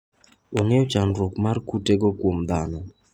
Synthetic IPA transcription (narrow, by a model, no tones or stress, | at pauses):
oŋeɔt͡ʃanɾokmarkuteɡɔkwomd̪anɔ